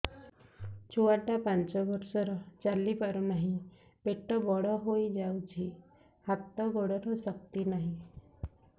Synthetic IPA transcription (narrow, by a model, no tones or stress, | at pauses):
t͡ʃʰuaʈapant͡ʃɔbɔɾsɔɾɔt͡ʃalipaɾɔnaɦĩ | beʈːɔbɔɽɔɦojd͡ʒawt͡ʃʰi | hat̪ːɔɡɔɽɔɾɔsʌkt̪inaɦĩ